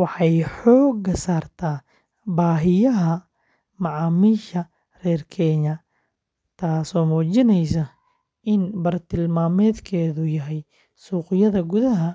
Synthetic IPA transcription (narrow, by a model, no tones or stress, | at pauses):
wɑħɑjħɔːɡɐsaːrt̪ʰaː | baːɦɪjɐɦɐ | mɑʕɑːmiːʃɐ | rɛːrkʰɛːɲɐ | t̪ʰaːsɔːmuːt͡ʃɪnɛjsɐ | ʔɪnbɐrt̪ʰɪlmaːmɛːd̪kʰɛːðʊjɐɦɛj | suːqɪjɐðɐɡʊðɐɦɐ